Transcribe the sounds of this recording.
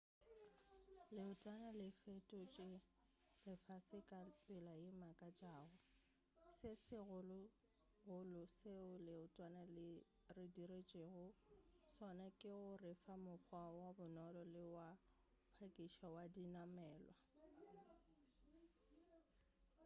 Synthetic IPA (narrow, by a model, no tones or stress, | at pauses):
lɪʊtʼanalɪfetʼɔt͡ʃʼɪrɪfasɪkʼat͡sʼɪlajɪmakʼat͡ʃʼaːɣʊ | sɪsɪɣʊlʊ | ɣʊlʊseʊlɪʊtʼwanalɪ | rɪdiret͡ʃʼeɣʊsɔnakʼɪɣʊrɪfamʊk͡xʰwawabʊnɔlɔlɪwa | pʰakʼiʃawadinamɛːlwa